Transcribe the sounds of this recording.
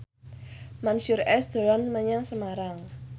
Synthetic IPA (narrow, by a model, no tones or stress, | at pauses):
mansʊrɛsd̪̥ə̤lanməɲaŋsəmaɾaŋ